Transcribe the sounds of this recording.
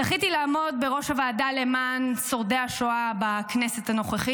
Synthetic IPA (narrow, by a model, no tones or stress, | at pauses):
aχit̪ilaːmo̞d̪̚be̞ʁo̞ʃavaːdale̞manso̞ʁdeaʃoabaknese̞thano̞χeχi